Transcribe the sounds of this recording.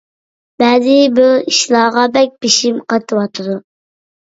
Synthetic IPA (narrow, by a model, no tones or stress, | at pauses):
bɛzɪbuiʃlˠɑːʁɑbɛk̚ʲbiʃimqʰɑt̪ʰɨwɑt̪ʰɨd̪u